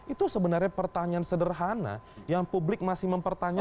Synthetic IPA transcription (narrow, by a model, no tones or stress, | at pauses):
ʔit̪usəbənarɲapərt̪aɲaansədərɦana̰jaŋpublɪk̚masɪhməmpərt̪aɲa